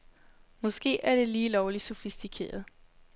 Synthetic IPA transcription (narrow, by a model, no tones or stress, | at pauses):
mɒ̽sɡ̥e̝̰ːæɐɾ̥e̝liːlɒʊlisofisd̥ikʰe̝̰ːɐð̞ˠ